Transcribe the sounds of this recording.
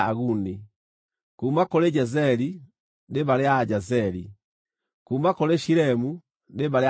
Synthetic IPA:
aɣuni | kuːmakoleɟazɛli | ndebaleaɟazɛli | kumakoleʃiɾɛmu | ndebale

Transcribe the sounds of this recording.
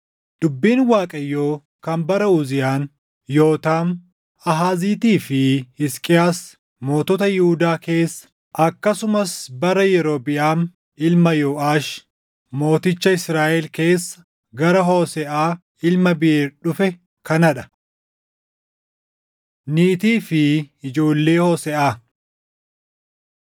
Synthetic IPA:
d̪̥ʊbːiːnwaːkʼɐjːoː | kɐmbɐɾɐuːzɪjaːn | jo̞ːt̪aːn | ɐɦaːziːt̪iːfɪhɪskʼɪjaːs | mo̞ːt̪ɔːt̪ɐjɪhʊd̪aːke̞ːsːɐ̥ | ʔɐkːɐsʊmɐsbɐɾɐjɛɾo̞ːbɪʔaːn | ɪlmɐjoːʔaːʃ | mo̞ːt̪ɪt͡ʃːɐɪsɾaːʔɛlke̞ːsːɐ̥ | ɡɐɾɐɦo̞ːsɛʔaː | ɪlmɐbɪeːɾᶑʊfɛ | kɐnɐᶑɐ̥ | niːt̪iːfɪɪd͡ʒo̞ːlːe̞ːhoːsɛʔaː

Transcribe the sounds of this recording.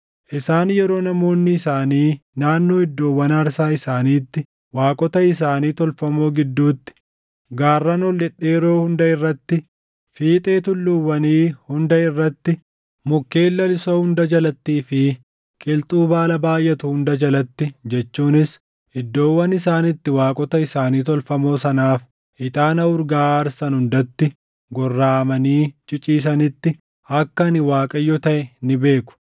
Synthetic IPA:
ʔɪsaːnjɛɾo̞ːnɐmo̞ːnːɪɪsaːniːnaːnːo̞ːɪd̪ːo̞ːwːɐnɐɾsaːɪsaːniːt̪ːɪ | waːkʼɔt̪ɐɪs̬aːniːt̪ɔlfɐmo̞ːɡɪd̪ːuːt̪ːɪ̥ | ɡaːrːɐnɔlːɛᶑeːɾo̞ːhʊnd̪ɐɪrːɐt̪ːɪ | fiːt̪ʼe̞ːt̪ʊlːʊwːɐniːhʊnd̪ɐɪrːɐt̪ːɪ | mʊkːe̞ːlːɐlɪsoːhʊnd̪ɐd͡ʒɐlɐt̪ːiːfɪ | kʼɪlt̪ʼuːbaːlɐbaːjʔːɛt̪ʊhʊnd̪ɐd͡ʒɐlɐt̪ːɪd͡ʒɛt͡ʃːuːnɪs | ɪd̪ːo̞ːwːɐnɪsaːnɪt̪ːɪwaːkʼɔt̪ɐɪsaːniːt̪ɔlfɐmo̞ːsɐnaːf | ʔɪt̪ʼaːnɐʊɾɡaːɾsɐnhʊnd̪ɐt̪ːɪ | ɡɔrːaːmɐniːt͡ʃʼɪt͡ʃʼiːs̬ɐnɪt̪ːɪ | ɐkːɐnɪwaːkʼɐjːɔt̪ɐʔɛnɪbe̞ːkʊ̥

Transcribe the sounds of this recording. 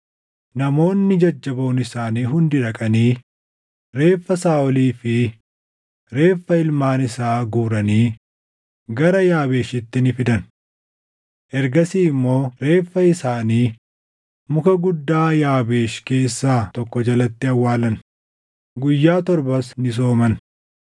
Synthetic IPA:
nɐmo̞ːnːɪd͡ʒɐd͡ʒːɐbo̞ːnɪsaːniːɦʊnd̪ɪᶑɐkʼɐniː | ɾe̞ːfːɐsaːɔliːfɪ | ɾe̞ːfːɐɪlmaːnɪsaːɡuːɾɐniː | ɡɐɾɐjaːβe̞ːʃɪt̪ːɪnɪfɪd̪ɐn | ʔɛɾɡɐsiːɪmːo̞ːɾe̞ːfːɐɪsaːniː | mʊkɐɡʊd̪ːaːjaːbe̞ːʃke̞ːsːaːt̪ɔkːɔd͡ʒɐlɐt̪ːɪɐwːaːlɐn | ɡʊjːaːt̪ɔɾbɐsnɪs̬oːmɐn

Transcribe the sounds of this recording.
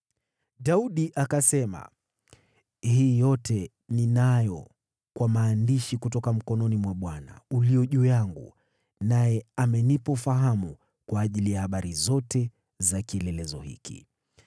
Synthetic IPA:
ɗauɗiʔakasɛma̰ | hiːjɔtʰɛ | ninajɔ | kwamaːndiʃikut̬ɔkam̩kɔnɔnimwaɓwana̰uliɔʄuːjaŋɡṵ | najɛamɛnipɔfaɦamu | kwaːʄilijahaɓaɾizɔtɛ | zakiɛlɛlɛzɔhḭkḭ

